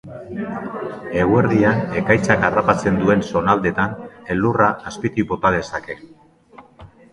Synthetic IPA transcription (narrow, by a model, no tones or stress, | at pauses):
e̞ɣue̞ɾðiane̞kajt͡sakarapat͡se̞nd̪ue̞nso̞nald̪e̞t̪ane̞lːuraʔːspit̪ibo̞t̪aðe̞sake̞